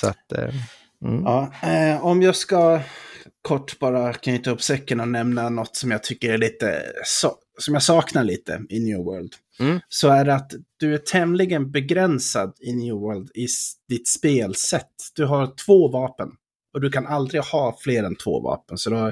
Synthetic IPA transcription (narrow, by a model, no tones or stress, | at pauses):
sat̪d̪ɛ̰ | ɑːɔmjɑːska | kʰɔʈːb̥ɑːɾakʰnyt̪aɵpːsɛkːənɔnɛmnanɔt̪ːsɔmjaːɡ̚t̪ʰʏkːəɾæɭiːt̪ə̰s | sɔmjaːɡsɑːknaɭiːt̪ə̰ɪnjʉːwɜ̰ːɭd̪ | sɔæɖɛat̪d̪̥ɵæʈʰɛmlɪɡənbɛɡɾɛnsad̪ɪnjʉːwœːld̪ɪd̪̥ɪt̪speːlsɛt̪ːd̪̥ɵɦaɾt̪ʰv̥oːvɑːpən | ɔd̪ɵkʰanald̪ɾɪɡhɑːfleːɾɛnt̪ʰvo̰ːvɑ̰ːpənsɔd̪ɔ